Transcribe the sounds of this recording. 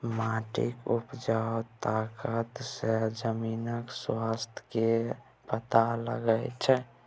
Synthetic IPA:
maːʈḭkupd͡ʒaot̪akət̪sed͡ʒəmiːnəkswast̪ʰke | pət̪alə̰ɡəjt͡ʃʰɛ

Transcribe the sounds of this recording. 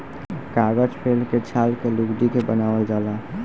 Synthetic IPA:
kaːɡəd͡ʒpʰeːlket͡ʃʰaːlkeluɡɖikebənaːʋeld͡ʒaːla

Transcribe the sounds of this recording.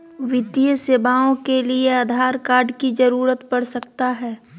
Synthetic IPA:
ʋɪt̪ijəseːbaːõkelieaːd̪ʱaːɾkaːɾɖkid͡ʒɐɾuːɾət̪pɐɽsɐk̚t̪aɦɛː

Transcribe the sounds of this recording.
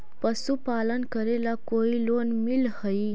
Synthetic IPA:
pəsupalənkəɾelakoilonmilhəi

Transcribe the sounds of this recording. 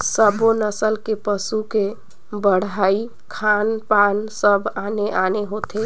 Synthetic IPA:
səbonəsəlkepəsuke | bəɽai | kʰanpansəbʱaneʔaneɦot̪ʰe

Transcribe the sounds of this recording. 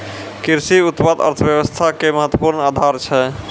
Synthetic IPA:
kiɾsiut̪pad̪ə̰ɾt̪ʰəbjəβəst̪ʰakeməɦət̪wəpuɾnad̪ʱaɾt͡ʃʰɛ

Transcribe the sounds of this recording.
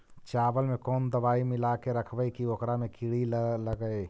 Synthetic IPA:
t͡ʃaːʋəlmẽkɔːnd̪əbaːimɪlakeɾəkʰbəkiokɾamẽkɪɽilləɡəe

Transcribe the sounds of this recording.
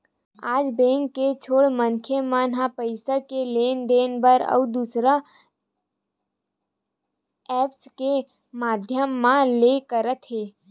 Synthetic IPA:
aːd͡ʒbẽːŋkːet͡ʃʰoːɽmənkʰemanɦãpəɪsakeleːnɖ̪eːnbəɾə̰ud̪usɾa | ɛːpske | maːd̪ʱjəmːãlekəɾət̪ɦeː

